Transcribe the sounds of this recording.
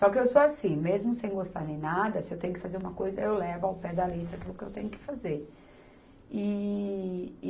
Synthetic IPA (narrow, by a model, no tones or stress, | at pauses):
sɔkɪewsoasĩmezmʊsẽj̃ɡost̪aɾnẽj̃nad̪ɐsɪewt̪ẽjʊkɪ̥fazeɾũmɐkojzɐewlɛvʊawpɛd̪ɐlet̪ɾɐakilʊkɪewt̪ẽɲʊkɪ̥fazeɾ | ɪ